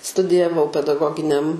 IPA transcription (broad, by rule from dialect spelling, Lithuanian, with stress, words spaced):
stʊdʲɪjɛˈʋɐʊ pʲɛdɐˈɡoːɡʲɪnʲɛm